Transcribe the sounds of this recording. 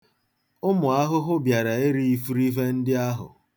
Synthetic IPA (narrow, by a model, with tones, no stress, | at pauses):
ʊ˦mʊ˨a˦ɦʊ˦ɦʊ˦bja˨ɾa˨e˦ɾi˦i˦fu˦ɾi˦ɦe˦n̩˦dɪ˦a˦ɦʊ̰˨